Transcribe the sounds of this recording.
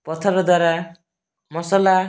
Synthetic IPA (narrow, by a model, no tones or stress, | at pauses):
pɔt̪ʰɔɾɔd̪waɾa | mɔsɔla